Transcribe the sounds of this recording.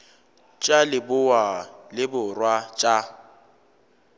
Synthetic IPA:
t͡ʃʼalɪbʊwalɪbʊrwat͡ʃʼa

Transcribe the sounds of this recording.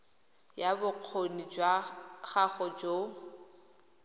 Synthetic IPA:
jabʊq͡χʰonid͡ʒwaχaχɔd͡ʒo

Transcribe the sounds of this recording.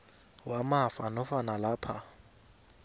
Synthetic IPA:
wamafanɔfanalaːpʰa

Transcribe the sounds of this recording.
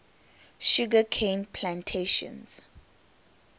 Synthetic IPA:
ʃuɡakʰẽnpʰlãntʰeʃɔ̰̃ns

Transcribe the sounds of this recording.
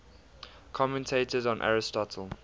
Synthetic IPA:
kʰɔmɛ̃ntʰeɪtʰəzɔ̃nʔa̰ɹɪstɔtʰəlˠ

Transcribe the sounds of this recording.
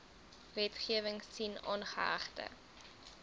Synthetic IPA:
vɛtχiəvəŋssinɑ̰nχə̰ɐ̰χtə̰

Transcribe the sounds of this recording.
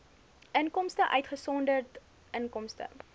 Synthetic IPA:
ʔənkɔmstəʔœɥtχəsɔndərt | ʔənkɔmstə̰

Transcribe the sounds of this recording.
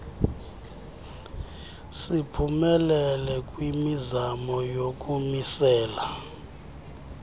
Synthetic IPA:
sipʰumɛlɛlɛk̬ʼwimizamɔjok̬ʼumisɛːla

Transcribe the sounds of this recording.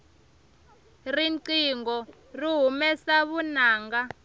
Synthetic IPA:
rinǀiŋɡɔ | riɦumɛsaβunaːŋɡa

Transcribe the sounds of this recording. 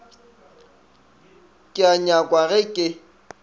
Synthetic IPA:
kʼɪaɲakʼwaɣɛkʼɪ

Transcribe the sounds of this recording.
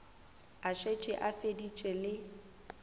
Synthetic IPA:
aʃet͡ʃʼɪʔafedit͡ʃʼɪlɪ

